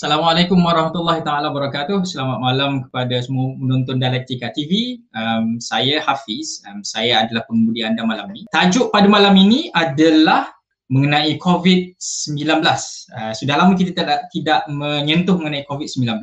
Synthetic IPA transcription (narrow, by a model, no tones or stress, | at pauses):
asalamalakʊmwaɾˤɑhmat̪ulːahit̪aalabəɾakat̪ʊhsəlamat̪̚malamkə̥padasəmuapənɔnt̪ʊndialɛk̚t̪ikat̪iviəmsajahafisəmsajaadalahpəŋbudiandamalaminĩt̪ad͡ʒʊʔpadamalaminĩʔadalah | məŋənãikʰovit̪̚səmbilanbəlasəsudahlamak̬it̪at̪aaʔt̪idaʔmə̃ɲənt̪ʊhməŋənãikovit̪̚səmbilanbəla